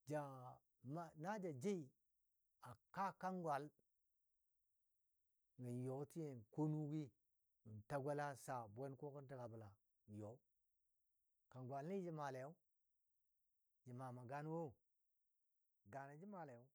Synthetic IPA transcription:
d͡ʒa˨ | ma˦na˦d͡ʒa˨d͡ʒe˦i˨ | a˨ka˦ka˦ŋɡwa˨l | ŋə˨n˨jo˨˦ti˦je˨n˨ko˦nu˦wi˦ | ŋə˨ta˦ɡʷe˦la˦sa˨bʷe˦ko˦kə˦n˦ti˦˨ka˨bə˨la˨ | jo˨˦ | ka˨ŋɡʷa˨lni˦d͡ʒi˦˨ma˨le˨jo˦ | d͡ʒi˨ma˨ma˨ɡa˦n˦wo˦˨ | ɡa˨na˨d͡ʒi˦ma˨le˨j

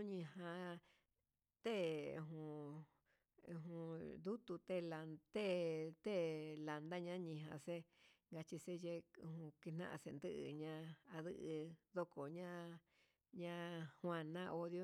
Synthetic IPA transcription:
ɲĩ˧ɦã˧ | t̪e˦˨u˧˨ɦũ˧ | ɦũ˧d̪u˦t̪u˧t̪e˦la˧t̪e˦t̪e˦˨la˨nd̪a˦ɲã˦ɲĩ˧ɦã̰˧se˦ŋɡa˧t͡ʃi˧se˦je˦˧hũ˧ki˧n̥ã̰˦˧ʔã̰˧sḛ˧nd̪ɨ˦ʔɨ̰˧ɲã˧a˧ðɨ˧ʔɨ˧ðo˧ko˨ɲã˦ | ɲã˧hw̃ã˧nã˦˧ʔo˧ðjo˦

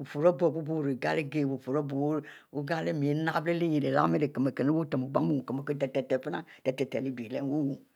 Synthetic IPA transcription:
wo˨fo˨ɾɔ˦bɔ˦˨bo˦bo˦wo˦˨ɾe˨ɡa˦le˦ɡe˦˨wo˨fo˨ɾɔ˦bo˨wo˦ | wo˦ɡa˦le˦mĩ˨e˨˦nã˦ble˦le˦je˨ɖe˨la̰˦me˦ɖe˨ke˨me˨ke˨ne˦wo˦t̪ɔ˨me˨ɡ͡ba˦me˦wõ˨ke˨me˨ke˦t̪ɛ˨t̪ɛ˨t̪ɛ˨fe˦nã˦t̪ɛ˨t̪ɛ˨t̪ɛ˨li˦bi˨le˦wo˦wo˨

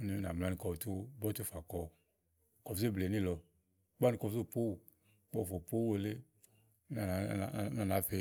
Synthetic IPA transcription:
u˦ni˧˦na˨m˨la˦nĩ˨kɔ˧˨tu˦bɔ˦t̪u˦fa˨kɔ˧ | kɔ˨vze˦˨ble˨nĩ˦˨lɔ˧˦ | k͡pa˦nĩ˨kɔ˨vze˦˨po˦w | k͡pɔ˦˨fo˨po˦o˨le˦ | na˨˦˨na˨na˨˦fe˧

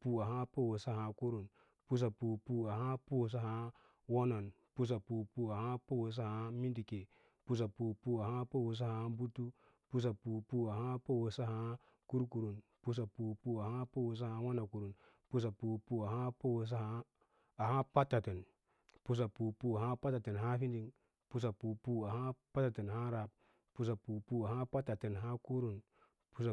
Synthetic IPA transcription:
pu˨a˨ɦa˦po˦wo˨sa˦ha˨ku˦ɾu˨n | pu˦s̬a˨pu˨pu˦a˨ha˦po˦ws̬a˦ha˦ | wo˦no˨n | pu˦s̬a˨pu˨pu˨a˨ha˦po˦wo˨s̬a˦ha˦mi˦ndi˨ke˨ | pu˦s̬a˨pu˨pu˦a˨ha˦po˦wo˨s̬a˦ha˦bu˦tu˦ | pu˦s̬a˨pu˨pu˦a˨ha˦po˦wo˨sa˦˨ha˦ | ku˦ɾku˨ɾu˨n | pu˦s̬a˨pu˨pu˨a˨ha˦po˦wo˨s̬a˦ha˨˦wa˦na˨ku˨ɾu˨n | pu˦s̬a˨pu˨pu˨a˨ha˦po˦wo˨s̬a˦ha˨˦ | a˨ha˦pa˦tːa˨te˨n | pu˦s̬a˨pu˨pu˦a˨ha˦pa˦ta˨te˨nɦa˦fi˦ndi˦ŋ | pu˦s̬a˨pu˨pu˦a˨ha˦pa˦ta˨te˨nha˦ɾa˨p̚ | pu˨s̬a˨pu˨pu˦a˨ha˦pa˦tːa˨te˨nɦa˦ku˦ɾu˨n | pu˦sa˨

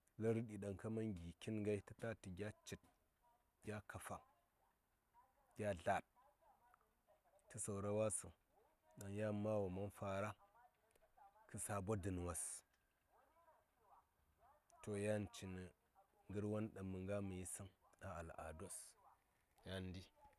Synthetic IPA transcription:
la˦ɾɨ˦ɗi˨ɗa˨ŋka˦ma˦nɡi˨kʲi˦nŋɡa˦i˦ti˦ta˦ti˨ɡʲa˦t͡ʃi˨t̚ | ɡʲa˦ka˨fa˨ | ɡʲa˦ɮa˨d̚ | tɨ˦so˨ɾa˦wa˦su˨ | ɗa˨ŋja˦ma˦wa˨ma˦nfa˨ɾa˦ | kɨ˦sa˨bo˦dɨ˨n˨wa˨s | to˨ja˦nt͡ʃi˨nə˨ | ŋɡɨ˦ɾwa˦nɗa˨mə˨ŋɡa˦mə˨ji˦si˦na˦a˨la̰˨do˦s | ja˦ndi˦

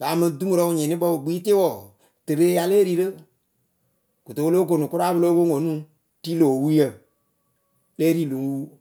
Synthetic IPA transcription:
baː˨˦mɨ̃˧du˦mu˦ɾɔ˦˨ɲĩ˨nĩ˦ɓɔ˦wo˨ɡ͡bi˦tɪ˦wɔː˨ | tɨ˨ɾe˦ja˧leː˦ɾi˨˦ɾə˦ | ku˨to˨wo˦lo˦k̬o˨nũ˨ku˦ɾa˦bɨ˧˦loː˦wo˦ŋo˨nũ˦ | ti˦lo˨wu˦jə˦˨ | leː˦ɾi˦˨lo˨ŋ˦wuː˦

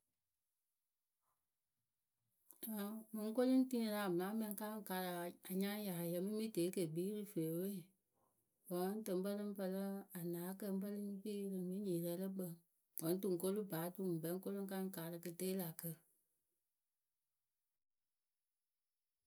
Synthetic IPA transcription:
a˨mɛ˨˧ŋ˦ko˦lɨ˦n˦tĩ˦la˨m˨a˨˦mɛ̃˧n˧˦ka˦ŋ˦ka˨˦ɾa˨a˨ɲã˦ja˨jɛ˧mĩ˦mĩ˦teː˨˦ke˨biː˨˦ɾɨ˦fe˨we˦˨ | bɔ˨ŋa˦n˦tə˨m˦k͡pə˦lɨ˦ŋ˦pə˧lə˦a˨naː˨˦kə˧˦bə˦lɨ˦k͡pi˦lɨ˨mĩ˦ɲi˨ɾɛ˧˦lə˦k͡pə˨ŋ | wɔ˨n˦tu˨ŋ˨ko˦lɨ˦baː˨˦tu˨ŋ˨bɛ˨˦ko˦lo˦ŋ˦ka˦ŋ˦kaː˨˦˨ɾɨ˧kɨ˧teː˦la˨kə˧

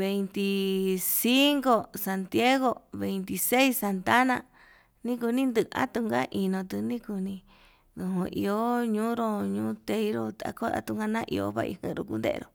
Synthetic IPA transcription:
βe˨˧jnt̪i˧si˦ŋko˧sa˧nt̪ja˦ɣo˧βe˨nt̪i˧se˦i˦sa˧nt̪a˦nã˧˨ | nĩ˦k̬u˧nĩ˦nd̪ɨ˧ʔã̰˦t̪u˧ŋɡa˦ʔi˧nõ˧t̪ɨ˧nĩ˦ku˧nĩ˧ | ðũ˧ɦũ˧ʔḭ˧o˦ɲũː˦ɾo˧ɲũː˦t̪e˧i˧˦ɾo˧t̪a̰˧ko˦a̰˦t̪u˧ŋ˧ɡa˦˧nã˦ʔḭ˧o̰˧βa̰˧ʔḭ˧hḛ̃˧˨˧ɾo˧ku˧nd̪ḛ˦˧ḛ˧ɾo˧˨

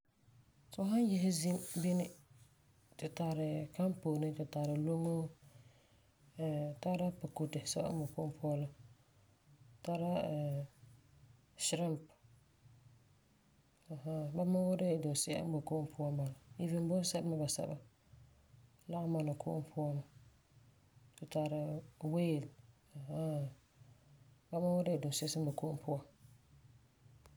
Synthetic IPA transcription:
sɔ˦ɦa˦n˦jɛ˦ɦɪ˦zi˦mbɪ˦nɪ˦ | tɪ˨taː˨ɾɪ˨ka˦mpoː˨nɪ˦tɪ˨ta˨ɾɪ˨lo˦ŋo˦ | ɛ˨ta˦ɾa˦pa˨ku˨tɪ˨sɛ˦ba̰˦ba˨kʊ˦ʔʊ˦mpʰʊ˦ɔ˦la˦ | ta˦ɾa˦˨ | ʃɪ˦ɾa˦mp | a˨ha˦ba˦ma˦wʊ˦da˦˨dʊ˨sɪ˦˨a̰˦m˦ba˨kʊ˦ʔʊ˦mpʰʊ˦a˦ba˨la˨i˦vɪ˦n˦bʊ˦n˦sɛ˦bma˦ba˨sɛ̰˨ba̰˦ | la˦ʔma˦˨na˨kʰʊ̰˦ʔʊ˦m˦pʰʊ˦a˦ma˨ | kʊ˨ta˨ɾa˨weː˦˨l | a˨ha˦ | ba˦ma˦wɔ˦da˦˨dʊ˨sɪ˦sɪ˦mba˨ko˦ʔʊ˦m˦pʰʊ˦a˨

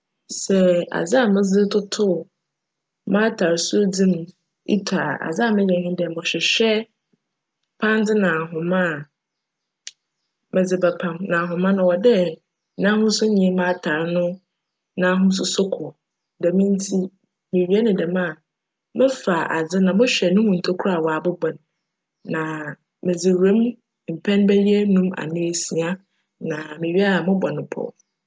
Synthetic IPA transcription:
sɛ˨a̰˨d͡za˦a˨mɪ̃˦zɪ˦tʰʊ˦tʰʊ˦˨ | mã˦tʰa˨ɾsʊ˦d͡zĩ˦m | ḭ˦tʰa˨ʔa̰˨d͡za˦˨mɪ̃˦ɲɛ̃˨hɪ̃˦dɛ˨mʊ̃˨ɕᶣɪ˨ɕᶣɛ˦ | pʰã˦nd͡zɪ˦nã˨ɦʊ̃˨mã˦˨ | mɛ̃˨d͡zɪ˨bɛ˨pʰã˨mnã˨ɦʊ̃˨mã˦nʊ̃˨˦wɔ˨dɛ˦ | nã˦hʊ̃˦sʊ˦ɲĩ˨˦mã˦tʰa˨ɾnʊ̃˦ | nãː˦ɦʊ̃˦s̬ʊ˦sʊ˦kʰɔ˨ | dɛ˨mɪ̃˦n̩˦tʰi˦ | mẽ˨ɥi˦ɛ˦nɪ̃˨dɛ˨mã˦˨ | mɛ̃˦fa˨a̰˨d͡zɪ˦nã˨mʊ̃˦ɕᶣɛ˨nʊ̃˦mʊ̃˨n̩˨tʰo˦kʰɾa˨wɔ˨a˨bʊ˦bɔ̃˨n | nã˨ | mɪ̃˨d͡zɪ˨ɾẽ˦m | m̩˨pʰɛ̃˦nbæ˦li˦ɛ˦nũ˦ma̰˨nɪ̃˦e˨si˨a˦ | nã˨mɪ̃˨ɥi˦a˦a˨mʊ̃˦bɔ˨nɪ̃˨pʰɔ̰˦˨

